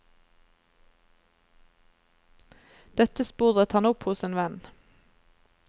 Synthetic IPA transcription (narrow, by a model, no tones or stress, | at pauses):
d̪̥ɛt̪əspʉːʁət̪hɑnʊphʊseːnʋɛn